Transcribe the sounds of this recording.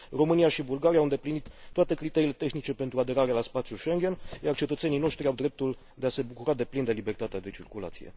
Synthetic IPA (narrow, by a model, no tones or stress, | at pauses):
ro̞mɨnijaʃibulɡaɾiaːwɨnd̪e̞plinit̪ːoat̪e̞kɾit̪e̞ɾile̞t̪e̞xnit͡ʃe̞pe̞nt̪ɾuad̪e̞ɾaɾealaspat̪sjuʃe̞ŋɡʲe̞njart͡ʃe̞t̪ət̪se̞nino̞ʃt̪ɾiawd̪ɾe̞p̚t̪ul | d̪e̞ase̞bukuɾad̪e̞plind̪e̞libe̞rt̪at̪ead̪e̞t͡ʃirkula̰t̪sije̞̰